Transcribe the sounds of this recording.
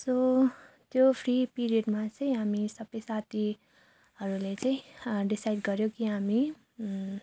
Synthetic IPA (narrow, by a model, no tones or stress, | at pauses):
so | t̪jopʰripiɾijʌɖmat͡sʌĩɦamisʌbʌjsat̪ʰi | hʌɾulet͡sʌĩɖisajɖɡʌɾjokiɦami